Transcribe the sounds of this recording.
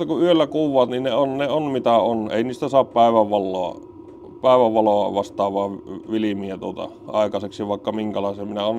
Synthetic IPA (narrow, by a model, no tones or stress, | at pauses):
ɑkuʔyølːækuːʋːˑɑːt̪ninneonneonmit̪æonḛˑiniːst̪æsɑːppæˑeʋæʋʋɑlːoɑ̰ | pæˑeʋæʋʋɑloɑʋɑst̪ɑːʋʋɑˑːʋʋilimiæt̪uot̪ɑ̰ | ɑ̰ˑekɑseksiʋɑˑekːɑmiŋkælɑˑesemminæon